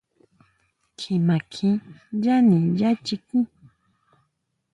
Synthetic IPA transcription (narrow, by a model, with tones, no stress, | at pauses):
kʰɪ˨ma˨kʰɪ˦ja˦ni˨ja˦t͡ʃɪ˧kɪ˦